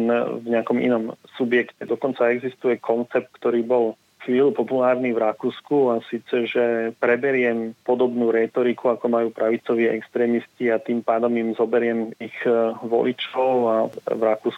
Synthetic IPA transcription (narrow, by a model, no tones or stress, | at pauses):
nvɲɛakɔmḭnɔmsubjɛkcɛd̪ɔkɔnt͡saɛɡzist̪ujɛkʰɔnt͡sɛp̚t̪̚kt̪ɔɾiːbɔl | xʋiːlupɔpulaːɾnivɾakuːskuasiːt͡sɛʒɛpɾɛbɛɾɪɛmpɔd̪ɔbnuːɾɛt̪ɔɾikʰuakɔmajuːpɾaʋit͡sɔʋɪɛʔɛkst̪ɾɛːmisciat̪iːmpaːd̪ɔmimzɔbɛɾɪɛmixʋɔ̰lit͡ʃɔʊavɾakuːsku